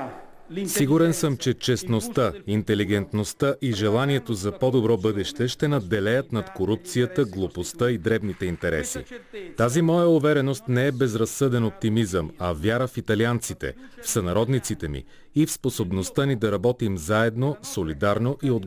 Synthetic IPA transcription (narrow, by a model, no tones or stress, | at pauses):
siɡuɾɛnsɤmt͡ʃɛt͡ʃɛsnost̪aint̪ɛliɡɛnt̪nost̪aʔiʒɛlˠaniɛt̪ozɐpɔd̪obɾɔbɤd̪ɛʃt̪ɛʃt̪ɛnɐd̪ːɛlɛjət̪nɐt̪koɾup̚t̪sijət̪əɡlˠopost̪əid̪ɾɛbnit̪ɛint̪ɛɾɛ̰sḭt̪azimɔjəuvɛɾɛnost̪nɛɛbɛzɾɐsːɤd̪ɛnop̚t̪imizəmɐvʲjaɾəfit̪ɐliant̪sit̪ɛ̰fsɐnɐɾɔd̪nit̪sit̪ɛmḭː | fsposobnost̪anid̪ɐɾɐbɔt̪imzaɛd̪nosolid̪aɾnoʔiod̪